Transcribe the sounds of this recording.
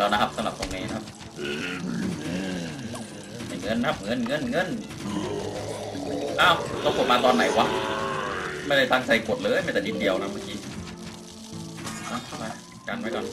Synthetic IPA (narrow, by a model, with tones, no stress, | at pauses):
lɛː˦˥wna˦˥kʰa˦˥p̚sa˧mɾa˨˩p̚t̪o˧ŋniː˦˥na˧˥kʰa˧˥p̚ː | ʔɯː˧ | ha˧˩ŋɤ˧˥˨nkʰa˦˥p̚ŋɤ˧˥˨nŋɤ˧˥˩nŋɤ˧˥˨n | ʔaː˧˩wt̪o˧˩ku˨˩t̪̚maː˧t̪ɔː˧nːa˨˩˦jwa˧˩ | ma˥˩jda˥˩jt̪ʰaː˧ŋt͡ɕa˧jku˨˩t̪̚lɤː˧˦˥jma˥˩t̪ɛː˨˩ni˨˧˩di˧əwkʰa˦˥ma˧˩kiː˦˥ | ʔaː˧˩wt̪ʰa˥˩wɾa˧jka˧nma˦˥jkɔː˨n